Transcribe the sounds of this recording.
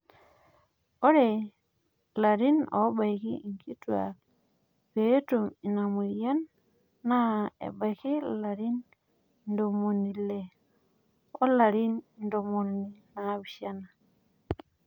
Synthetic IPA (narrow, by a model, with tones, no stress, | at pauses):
o˦ɾe˨ | la˨ɾi˦no̰˨˦ba˨jki˦i˨ŋki˦twa̰˨k̚ | pe˨˦tu˨mi˨na˨mu˨ja˦nː | a˦ḛ˨ba˨jki˦la˨ɾi˦n | ndo˨mo˨ni˨le˨ | o˦la˨ɾi˦nndo˨mo˨ni˨na˨˦bi˨ʃa˦na˨